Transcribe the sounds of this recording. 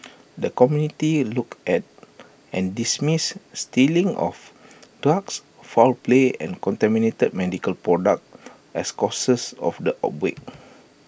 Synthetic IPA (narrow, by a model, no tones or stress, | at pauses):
dəkɔmjunitilukɛt̚ | ɛ̃ndismisːtilĩŋʔɔ̰fd̥ɹaks | falpleɛ̰̃nkɔ̃ntɛminetəd̚mɛdikəlpɹɔdak̚t | ɛskɔsəsɔ̰fdəʔa̰p̚wḛk̚